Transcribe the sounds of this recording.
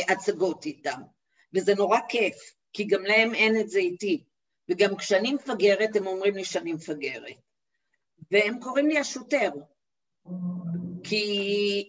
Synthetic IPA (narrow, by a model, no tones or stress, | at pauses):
ʔat͡saɡo̞titam | vezeno̞ʁake̞f | kiɡamlae̞me̞netzeiti | veɡamkʃeanimfaɡe̞ʁete̞mo̞mʁimliʃanimfaɡe̞ʁḛt̚ | vehemko̞ʁimliaʃuteʁ | kʰi